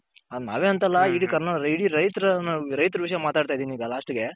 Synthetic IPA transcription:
ɐd̪na̰ːʋeːɐnt̪ɐlːɐiɽikɐɾnɐiɽiɾɐjt̪ɾɐnɾɐjt̪ɾɐʋiʂɐjɐmaːt̪aːɽt̪aːjd̪iniːɡɐlaːʂʈɡe̞

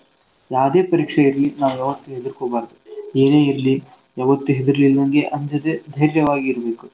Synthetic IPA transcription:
jaːʋd̪e̞ːpɐɾiːkʂɐiɾlinaːʋuɛʋɐt̪ːuɦed̪iɾkoːbaːɾd̪ueːne̞ːiɾli | ɛʋɐt̪ːuɦed̪iɾɐlilːɐŋɡe̞ʔɐɲd͡ʒɐd̪ed̪ʱɐjɾjɐʋaːɡiːɾɐbe̞ːku

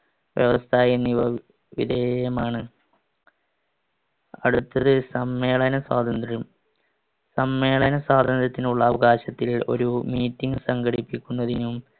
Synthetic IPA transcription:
ʋjeʋɐst̪ʰaːjenːiʋɐ | ʋḭd̪ʱeːjɐmaːɳɨ | ɐ̰ɽut̪ːɐðɨsɐmːe̞ːɭɐnɐswaːd̪ʱɐnd̪rɐɾum | sɐmːe̞ːɭɐnɐswaːd̪ʱɐnd̪rɐt̪ːinuɭːɐːʋɐɣaːɕɐt̪ːilo̞̰ɾumiːtːiŋɡɨsɐŋɡɐɽipːikʲːunːɐðinum

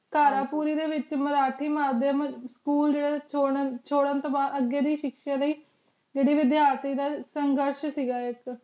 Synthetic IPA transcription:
kaːɾaːpuːɾiːd̪eːʋɪt͡ʃməɾaːʈʰiːmaːd̪jəmskuːld͡ʒeːɽaːt͡ʃʰoːɽət͡ʃʰoːɽənt̪oːbaːd̪əɡeːd̪iːʃɪkʃaːləiː | d͡ʒeːɽiːʋɪd̪jaːɾt̪iːd̪aːsəŋɡəɾʃsiːɡaːɪk

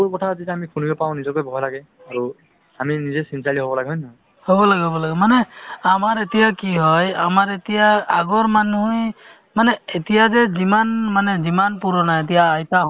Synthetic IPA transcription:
ukɔtʰazitɛamikʰunibɛpaw̃nizɔkojbʱɔɦɔjlaɡɛ | aɹu | aminizɛsinsaliɦobɔlaɡɛɦɔjnɔ | hobɔlaɡɛɦobɔlaɡɛmanɛamaɹetijakiɦɔja̰maɹetijaaɡɔɹmanuʊj | manɛetijazɛzimanmanɛzimanpuɹɔnaet̬ijaːjta

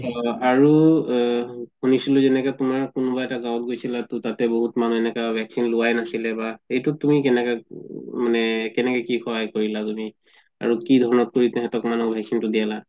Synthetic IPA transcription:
ɔaɹu | hunisilʊzɛnɛkatʊmaɹkʊnʊbaɛtaɡawɔt̚ɡojsilatʊtatɛboɦutmanuɛnɛkabʱɛksinlʊwajnasilɛbaejtutumik̬ɛnɛkamanɛkɛnɛkɛkixʰɔɦajkoɹilatumi | a̰ɹukidʱɔɹɔnɔt̚koɹitɦɛtɔkmanɔkbʱɛksintʊdijala

